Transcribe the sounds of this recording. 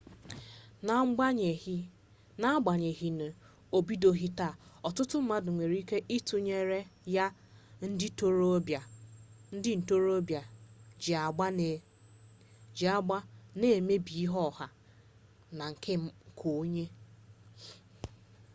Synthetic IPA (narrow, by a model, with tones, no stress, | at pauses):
na˦ɡ͡ba˨ɲe˨ɦi˨n˨ | o˨bi˦do˦ɦi˦ta˦˨ɔ˨tʊ˦tʊ˦m̩˦ma˦dʊ˨ŋʷe˨ɾi˦ke˦ʔi˦tu˨ɲe˦ɾe˦ja˦ | n̩˦dɪ˦to˦ɾo˦bja˨n̩˦dɪ˦n̩˨to˦ɾo˦bja˨d͡ʒa˨ɡ͡ba˦ne˨ | d͡ʒa˦ɡ͡ba˦ne˨e˨me˦bi˨i˦ɦɔ˦˨ha˦ | na˨ŋ̩˨kʰe˦m̩˦˨kʰo˨˦ɲe˦